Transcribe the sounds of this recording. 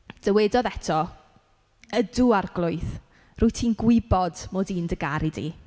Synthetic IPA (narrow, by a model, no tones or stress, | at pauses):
d̥əwɛdɔðɛtʰɔ | əduarɡlˠʊɨθ | rʊːɨtʰiːnɡwɪbɔdmoːdiːndəɡaɾidḭ